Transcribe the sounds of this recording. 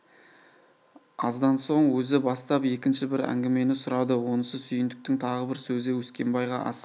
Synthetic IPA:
ɑzd̪ɑnso̞ɴwɵzɪbɑst̪ɑpje̞kʲɪnʃɪbɪɾæ̰ŋɡʲɪme̞nɪsʊɾɑd̪əwo̞nəsəsʏjɪnd̪ɪk̚t̪ɪŋt̪ʰɑʁəbɪɾsɵzɪwɵskʲe̞mbɑjʁɑ̰ʔɑ̰s

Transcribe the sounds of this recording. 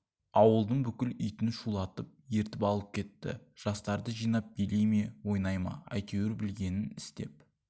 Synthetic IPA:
ɑwəlˠd̪əɴbʏkʲɪlʏjt̪ɪnʃulˠɑt̪əp̚je̞ɾt̪ɪpɑlˠəp̚kʲʰe̞t̪ːɪ̰ʒ̥ɑst̪ɑɾd̪əʒijnɑp̚belejmewo̞jnɑjmɑ̰ɑ̰jt̪ewɪɾbɪlɡʲe̞nɪnɪst̪e̞̰p̚

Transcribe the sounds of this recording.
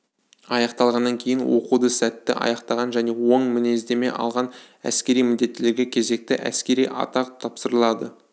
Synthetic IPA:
ɑjɑqt̪ɑlˠʁɑnːɑŋkʲʰe̞jɪnwo̞̰qud̪əsæt̪ːɪʔɑ̰jɑqt̪ɑʁɑnʒæne̞wo̞ɴmɪne̞zd̪e̞me̞̰ʔɑ̰lˠʁɑn | æ̰skʲe̞ɾijmɪnd̪e̞t̪ːɪle̞ɾɡʲe̞kʲʰe̞ze̞k̚t̪ɪʔæ̰skʲe̞ɾijʔɑ̰t̪ɑqt̪ʰɑpsəɾəlˠɑd̪ə

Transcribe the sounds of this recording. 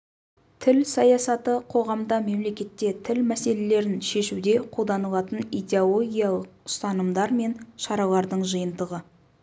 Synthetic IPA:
t̪ʰɪlsɑjɑsɑt̪əqʰo̞ʁɑmd̪ɑme̞mle̞kʲe̞t̪ːe̞t̪ʰɪlmæse̞le̞le̞ɾɪnʃe̞ʃud̪e̞qʰud̪ɑnəlˠɑt̪ənet̪eolˠo̞ɡʲijɑlˠəq̚ʊ̥st̪ɑnəmd̪ɑɾme̞nʃɑɾɑlˠɑɾd̪əɴʒəjənd̪əʁə

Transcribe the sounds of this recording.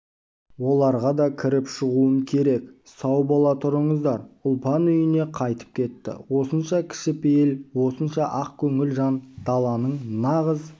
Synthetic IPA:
wo̞lˠɑɾʁɑd̪ɑkʲʰɪɾɪpʃəʁuəmkʲʰe̞ɾe̞ksɑwbɑlˠɑt̪ʰʊɾəɴəzd̪ɑɾʊlˠpɑnʏjɪne̞qʰɑjt̪ə̥p̚kʲʰe̞t̪ːɪ̰wo̞sənʃɑkʲʰɪ̥ʃɪpejelwo̞sənʃɑʔɑqkʲʰɵŋɪlʒɑnd̪̥ɑlˠɑnəɴnɑʁəz

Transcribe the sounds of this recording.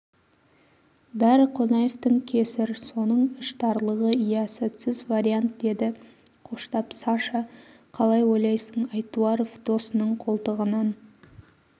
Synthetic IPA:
bæɾɪqʰo̞nɑjeft̪əŋkʲʰe̞sɪɾso̞nəɴʏʃt̪ʰɑɾlˠəʁəijɑset̪sɪzvaɾijant̪̚d̪e̞d̪ɪ | qʰo̞ʃt̪ɑpsɑʃɑ | qʰɑlˠɑjwo̞jlˠɑjsəɴɑjt̪uɑɾofd̪̥o̞sənəɴqʰo̞lˠt̪əʁənɑn

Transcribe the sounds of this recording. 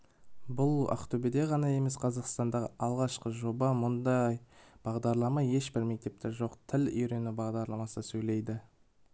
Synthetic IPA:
bʊlˠɑ̰qt̪ʰɵbɪd̪e̞ʁɑnɑje̞me̞sqʰɑzɑqst̪ɑnd̪ɑʁəʔɑlˠʁɑʃqəʒo̞bɑmʊnd̪ɑjb̥ɑʁd̪ɑɾlˠɑmɑje̞ʃbɪɾme̞k̚t̪e̞p̚t̪eɾʒo̞qt̪ʰɪlʏjɾe̞nubɑʁd̪ɑɾlˠɑmɑsəsɵjle̞jd̪ɪ

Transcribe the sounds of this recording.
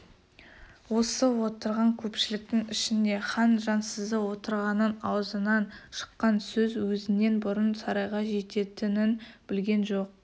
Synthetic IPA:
wo̞səwo̞t̪əɾʁɑŋkʲʰɵpʃɪlɪk̚t̪ɪŋɪʃɪne̞χɑnʒɑnsəzd̪əwo̞t̪əɾʁɑnənɑwəzənɑnʃə̥qːɑnsɵzwɵzɪne̞nbʊɾənsɑɾɑjʁɑʒe̞t̪e̞t̪ɪnɪnb̥ɪlɡʲe̞nʒo̞q̚

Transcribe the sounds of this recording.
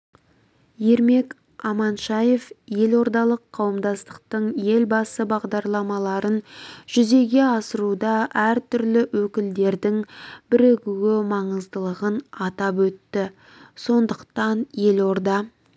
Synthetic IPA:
je̞ɾme̞k | ɑmɑnʃɑje̞fje̞lo̞ɾd̪ɑlˠəqʰːɑwəmd̪ɑst̪ə̥q̚t̪əɴje̞lbɑsəbɑʁd̪ɑɾlˠɑmɑlˠɑɾənʒ̥ʏze̞ɡʲe̞ɑsəɾud̪ɑʔæɾt̪ʏɾlɪwɵkʲɪld̪e̞ɾd̪ɪŋbɪɾeɡʲuwɪmɑɴəzd̪əlˠəʁənɑt̪ɑpwɵt̪ːɪ | so̞nd̪əqt̪ɑnje̞lo̞ɾd̪ɑ

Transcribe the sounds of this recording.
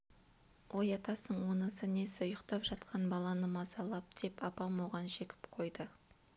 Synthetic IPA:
wʔo̞jɑt̪ɑsəɴwo̞nəsəne̞sɪʊjəqt̪ɑpʒɑt̪̚qʰɑnbɑlˠɑnəmɑzɑlˠɑp̚d̪̥e̞pɑpɑmoʁɑnʃe̞kʲɪ̥pqʰo̞jd̪ə

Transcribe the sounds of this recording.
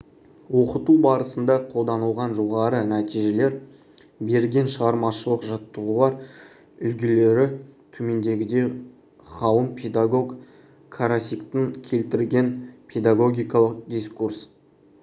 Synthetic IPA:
wo̞qət̪ubɑɾəsənd̪ɑqʰo̞lˠd̪ɑnəlˠʁɑnʒo̞ʁɑɾənæt̪ijʒe̞le̞ɾ | be̞ɾɡʲe̞nʃəʁɑɾmɑʃəlˠəqʒɑt̪ːəʁəlˠɑɾ | ʏlɡʲele̞ɾɪt̪ʰɵme̞nd̪e̞ɡʲɪd̪e̞ | χɑwəmpʲʰe̞d̪aɡo̞ɡ | kʰaɾasʲikt̪ɪŋkʲʰe̞lt̪ɪɾlɡʲe̞npʲʰe̞d̪aɡo̞ɡʲijkɑlˠəq̚d̪ʲiskurs

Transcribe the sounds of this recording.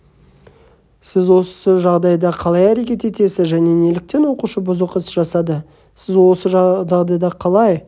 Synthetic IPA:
sɪzwo̞sə̥səʒɑʁd̪ɑjd̪ɑqʰɑlˠɑjæɾe̞kʲe̞t̪e̞t̪e̞sɪzʒæne̞ne̞lɪk̚t̪e̞nwo̞quʃəbʊzəqəsəʒɑsɑd̪ə | sɪzwo̞səʒʒɑʁd̪ɑjd̪ɑqʰɑlˠɑj

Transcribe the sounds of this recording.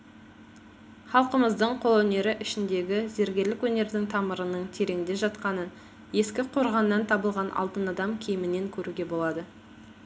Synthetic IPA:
χɑlˠqəməzd̪əɴqʰo̞lˠwɵne̞ɾɪʔɪʃɪnd̪e̞ɡʲɪze̞ɾɡʲe̞ɾlɪkwɵne̞ɾd̪ɪŋt̪ʰɑməɾənəɴt̪ʰe̞ɾe̞ŋd̪e̞ʒɑt̪qɑnən | je̞skʲɪqʰo̞ɾʁɑnːɑnt̪ʰɑbəlˠʁɑnʔɑ̰lˠd̪ənɑd̪ɑmkʲʰejɪmɪne̞ŋkʲʰɵɾuɡʲe̞bo̞lˠɑd̪ə

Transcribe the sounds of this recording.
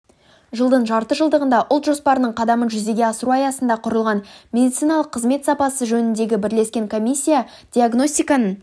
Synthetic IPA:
ʒəlˠd̪əɴʒɑɾt̪əʒəlˠd̪əʁənd̪ɑʔʊlˠt̪ʒo̞spɑɾənəɴqʰɑd̪ɑmənʒʏze̞ɡʲe̞ɑsəɾuɑjɑsənd̪ɑqʰʊɾəlˠʁɑnmʲe̞d̪it̪sɨjnɑlˠəqʰːəzme̞t̪sɑpɑsəʒɵnɪnd̪e̞ɡʲɪbɪɾle̞skʲe̞ŋkʰo̞misʲːija | d̪̥ʲiaɡno̞st̪ijkanən

